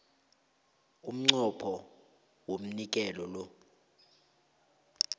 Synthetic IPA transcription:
um̩ŋ͡ǀɔpʰɔ | wom̩nik̬ʼɛlɔlɔ

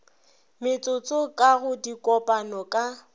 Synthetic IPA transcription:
mɪt͡sʼʊt͡sʼokʼaɣʊdikʼɔpʼanɔkʼa

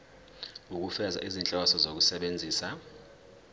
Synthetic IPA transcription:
uk̬ufɛza̰ʔizint͡ɬʼaasɔzok̬usɛɓend͡zʱiːsa

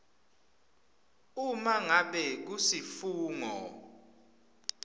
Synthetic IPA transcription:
umaŋaɓɛk̬usifuːŋɔ

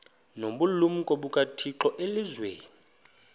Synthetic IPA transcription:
noɓulum̩kʼoɓukʼatʰiǁɔʔelizwḛːni

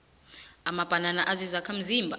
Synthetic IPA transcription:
amab̥ʱananaʔazizakʰam̩zimbʱa

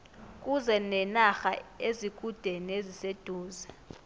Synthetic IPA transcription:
k̬ʼuzɛnɛnaxa̰ezik̬ʼud̥ʱenezised̥ʱuːzɛ

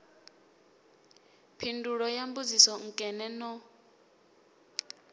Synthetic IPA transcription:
pʰinduɺɔjambud͡zisɔŋ̩kʼɛnɛnɔ

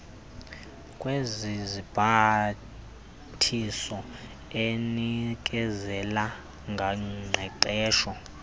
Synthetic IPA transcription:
kʼwezizib̥ʱa | tʰisɔ | enik̬ʼɛzɛla | ŋɡʱaŋ͡ǀʱɛǀɛːʃɔ

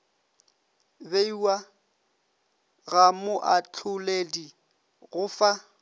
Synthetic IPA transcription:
beiwa | ɣamʊʔat͡ɬʰʊledi | ɣʊfa

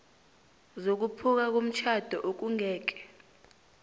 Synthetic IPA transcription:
zok̬upʰuk̬ak̬om̩t͡ʃʰad̥ʱɔʔok̬uŋɛːk̬ɛ̥

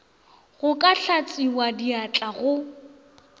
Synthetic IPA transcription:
ɣʊkʼaɬʰat͡sʼiwadiat͡ɬʼaɣʊ

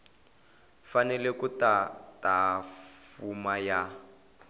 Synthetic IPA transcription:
fanɛlɛkutatafumaja

